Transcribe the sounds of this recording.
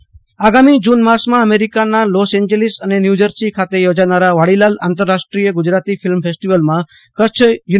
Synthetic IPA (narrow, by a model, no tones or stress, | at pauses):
aɡamid͡ʒunmasmãəmeɾikanalɔsɛ̃ɲd͡ʒelisənenjud͡ʒəɾsikʰat̪ejod͡ʒanaɾaʋaɽilala̰nt̪̬əɾːaʃʈɾijəɡʊd͡ʒɾat̪ifilmpʰesʈiʋəlmã | kət͡ʃʰju